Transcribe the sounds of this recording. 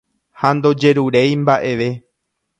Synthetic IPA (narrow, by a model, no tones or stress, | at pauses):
hand̪o̞d͡ʒe̞ɾuɾejmbaʔe̞ʋe̞